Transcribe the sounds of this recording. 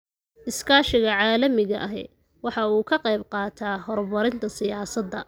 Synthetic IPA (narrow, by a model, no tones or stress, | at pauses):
ʔɪskʰaːʃɪɣɐʕɑːlɐmɪɣɐʔɐɦɛ̰ | wɑħɑuːkʰɐqɑjbqɑːt̪ʰaːɦɔrbɐɾɪnt̪ʰɐsɪjaːsɐd̪ːɐ